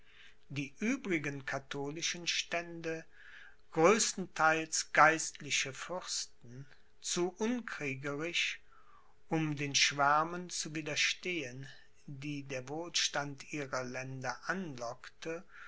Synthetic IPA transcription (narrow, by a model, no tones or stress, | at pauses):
d̥iːʔyːbʁɪɡənkʰatʰoːlɪʃənʃtɛndə | ɡ̥ʁøːstn̩tʰaɪlsɡ̥aɪstʰlɪʃəfʏʁstn̩ | t͡suʔʊnkʁ̥iːɡəʁɪʃ | ʔʊmdeːnʃv̥aɐmənt͡suviːdɐʃteːən | diːdeːɐvoːlʃtantʔiːʁɐlɛndɐʔanlɔktʰə